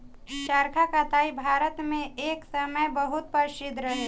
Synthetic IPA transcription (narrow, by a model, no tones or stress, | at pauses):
ʃaɾkʰakat̪aːibʱaːɾət̪mẽeːksəməjbəɦʊt̪̚pəɾsɪd̪ʱɾəɦe